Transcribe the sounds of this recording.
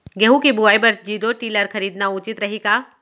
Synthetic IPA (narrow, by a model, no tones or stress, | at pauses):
ɡeɦũkibuaːibɐɾd͡ʒiːɾoʈiːləɾxɐɾiːd̪naʊt͡ʃɪt̪ɾɐɦikaː